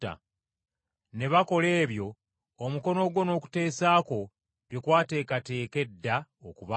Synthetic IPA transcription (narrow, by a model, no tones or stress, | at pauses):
a̰ | ne̞βako̞le̞ːβjo̞ː | muko̞no̞ɡwo̞no̞ːku̥te̞ːsaːko̞ | dwekwaːte̞ːkate̞ːke̞dːa | okuβa